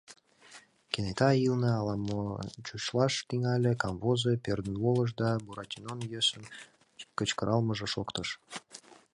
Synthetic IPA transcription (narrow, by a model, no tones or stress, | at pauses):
kʲenet̪ɑilnɤɑlˠɑmːot͡ɕut͡ɕlˠɑʃt̪iŋɑlʲə̆kɑmvozepʲerd̪ənvolˠə̆ʃ̬d̪ɑbuɾɑt̪ʲinonjøsə̆n | kə̆t͡ɕkəɾʔɑlˠmə̆ʒɤ̆ʃokt̪əʃ